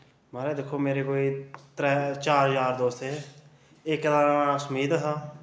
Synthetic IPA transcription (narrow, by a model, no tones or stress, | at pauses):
maːɾeːd̪ɪkʰːoːmeːɾeːkoːiːt̪ɾɛːt͡ʃaːɾɾɦəzaːɾd̪oːseː | ɪklaːãːsʊmiːd̪ɦaː